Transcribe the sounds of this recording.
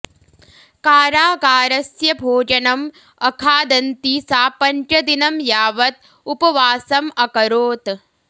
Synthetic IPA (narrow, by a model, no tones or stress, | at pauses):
kaːɾaːɡaːɾɐsjɐbʱoːd͡ʒɐnɐm | ɐkʰaːd̪ɐnt̪iːsaːpɐnt͡ʃɐd̪inɐmjaːʋɐt̪̚ | upɐʋaːsɐmɐkɐɾoːt̪